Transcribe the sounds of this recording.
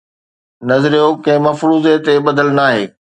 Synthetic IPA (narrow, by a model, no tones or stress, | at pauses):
nɐzɾijokɐ̃ɦɪ̃mɐfɾuːzet̪eɓɐd̪əlnaːɦeː